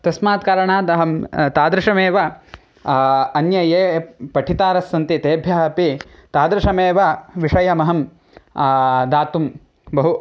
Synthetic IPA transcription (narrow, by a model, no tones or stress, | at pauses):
t̪ɐsmaːt̪̚kaːɾɐɳaːt̪ɐɦɐmt̪aːd̪ɾɪʂɐmeːʋɐ | ɐnjɐjeːpɐʈʰit̪aːɾɐsːɐnt̪it̪eːbʱjɐɦɐpit̪aːd̪ɾɪʂɐmeːʋɐʋiʂɐjɐmɐɦɐm | d̪aːt̪um | bɐɦu